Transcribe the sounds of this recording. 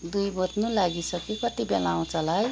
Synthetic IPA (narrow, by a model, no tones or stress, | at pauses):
d̪ujbot̪nulaɡisʌkikʌt̪ibelaw̃t͡sʌlaj